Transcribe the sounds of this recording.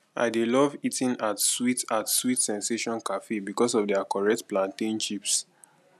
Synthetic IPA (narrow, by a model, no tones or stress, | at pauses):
ʔa̰ɪdelɔvitĩnatswitatswitsɛ̃nseʃɔ̃nkafebikɔsɔvdɛakɔɹɛk̚tplãntĩnʃips